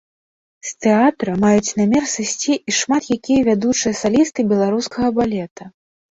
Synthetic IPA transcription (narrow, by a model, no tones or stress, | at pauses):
st̪ɛat̪ɾɐmajut͡sʲnamʲɛrsɨsʲt͡sʲiːʂmat̪jakʲijɐvʲad̪ut͡ʂɨjɐsalʲist̪ɨbʲɛlˠaɾuskɐɣɐbalʲɛt̪ɐ